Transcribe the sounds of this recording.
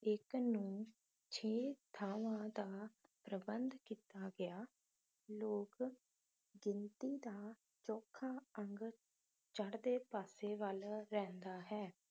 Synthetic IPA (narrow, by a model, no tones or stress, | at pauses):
ɪknũː | t͡ʃʰeːt̪ʰaːʋãːd̪aːpɾəbənd̪kiːt̪aːɡɪaː | loːk | ɡɪnt̪iːd̪aː | t͡ʃɔːkʰaːəŋɡ | t͡ʃəɽd̪eːpaːseːʋəlɾɛ̃ːnd̪aːɦɛː